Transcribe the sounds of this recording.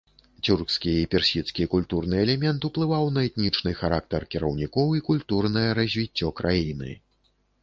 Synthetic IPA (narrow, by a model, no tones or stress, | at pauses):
t͡sʲurkskʲiipʲɛrsʲit̪skʲikulʲt̪urnɨɛlʲɛmʲɛnt̪uplˠɨvawnɐɛt̪nʲit͡ʂnɨxaɾak̚t̪ɐrkʲiɾɐwnʲikɔwikulʲt̪urnɐjɐɾɐzʲvʲit͡sʲːɔkɾʔajinɨ̰